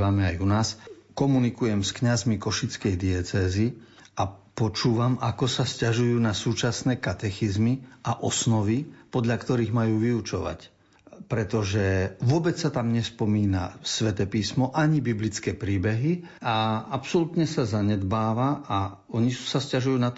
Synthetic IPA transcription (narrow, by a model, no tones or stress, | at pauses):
ʋamɛajunaːskɔmunikujɛmskɲazmikɔʃit͡skɛjd̪iɛt͡sɛːzi | apɔt͡ʃuːʋamakɔsascaʒujuːnasuːt͡ʃasnɛːkat̪ɛxizmiʔaʔɔsnɔʋipɔd̪ʎakt̪ɔɾiːɣmajuːʋiut͡ʃɔʋa̰c | pɾɛt̪ɔʒɛʋʊɔbɛt͡ssat̪amɲɛspɔmiːna̰sʋɛt̪ɛpiːsmɔʔaɲibiblit͡skɛːpɾiːbɛɦiaapsɔlut̪ɲɛsazaɲɛd̪baːʋaa | ɔɲisascaʒujuːnat̪